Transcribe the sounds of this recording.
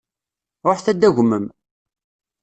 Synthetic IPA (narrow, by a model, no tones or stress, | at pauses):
ɾˤoħθæd̪ːæʝʷməm